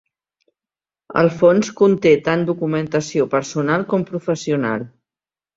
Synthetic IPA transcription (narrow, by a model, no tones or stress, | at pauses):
ə̰lˠfonskunt̪et̪and̪ukumənt̪əsiopəɾsunalˠkɔmpɾufəsiuna̰lˠ